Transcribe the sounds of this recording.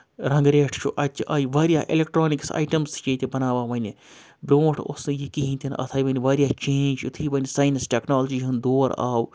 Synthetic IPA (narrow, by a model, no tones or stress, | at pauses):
ɾɐ̃ŋɡɾeːʈʰt͡ʃʰṵʔɐt͡ʃːʔaːjʋaːɾijaːʔḭlek̚ʈɾoːniksa̰ːjʈɐmst͡ʃeːt̪ibɐnaːʋaːʋɐnʲi | bɾoːʈʰo̰sɨjikiɦĩnt̪ʰinʔɐ̰t̪ʰaːjʋɐniʋaːɾʲijaːt͡ʃeːnʲd͡ʒut̪ʰiːʋɐnisaːjnsʈeːknaːld͡ʒiɦɨnd̪oːɾa̰ːw